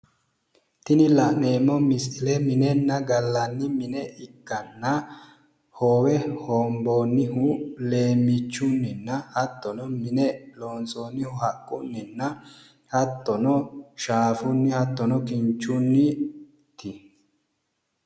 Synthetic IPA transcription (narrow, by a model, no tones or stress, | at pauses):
t̪ɪnɪlɐne̞ːmːɔmɪsɪlɛmɪnɛnːɐɡɐlːɐnːɪmɪnɛʔɪkːɐnːɐ | hoːwɛhoːmboːnːɪhʊle̞ːmːɪt͡ʃːʊnːɪnːɐhɐt̪ːɔnɔmɪnɛloːnsoːnɪhʊhɐkʼːʊnːɪnːɐ | hɐt̪ːɔnɔʃaːfʊnːɪhɐt̪ːɔnɔkɪnt͡ʃːʊnːɪ | t̪ɪ